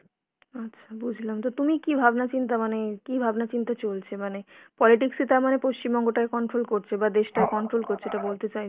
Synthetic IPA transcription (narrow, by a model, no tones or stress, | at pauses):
atːɕʰḁbud͡ʑʱlamt̪ot̪umikibʱabnat͡ɕint̪amanekibʱabnat͡ɕint̪at͡ɕolt͡ɕʰemanepɔliʈiksit̪aɾmanepoʃt͡ɕimbɔŋɡoʈaekɔɳʈɾolkoɾt͡ɕʰebad̪eʃʈaekɔɳʈɾolkoɾt͡ɕʰeʈabolt̪et͡ɕaj